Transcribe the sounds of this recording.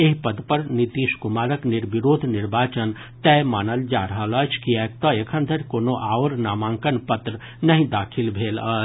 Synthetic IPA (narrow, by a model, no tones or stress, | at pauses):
eɦpɐd̪pəɾnit̪iːʃkʊmaːɾəknɪɾbiɾoːd̪ʱnɪɾbaːt͡ʃən | t̪ɛːmaːnəld͡ʒaːɾəɦələt͡ʃʰkiɛːk̚t̪ɔekʰə̃nd̪ʱəɾkoːnoʔaːoɾnaːmãːŋkənpət̪ɾə | nɐɦĩd̪aːkʰɪlbʱeːləː